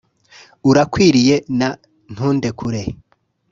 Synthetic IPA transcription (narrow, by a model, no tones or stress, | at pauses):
uɾakwiːɾije̞na | n̥huːnde̞kʰuɾe